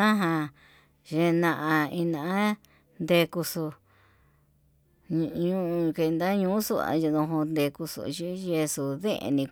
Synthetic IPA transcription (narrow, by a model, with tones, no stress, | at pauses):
ã˦ɦã˧ | ʒe˧nã˧ʔã˧ĩ˧nã˧˨a˦ | nd̪e˧ku˧su˧ | ɲ˧ɲũ˧ʔũ˧ke˧nd̪a˦ɲũː˧˦su˦a̰˧ʒi˧ðõ˧ɦõ˧nd̪e˧ku˧sṵ˧ʒi˦ʒe˧su˧˨ðḛ̃˦ʔḛ˧nĩ˧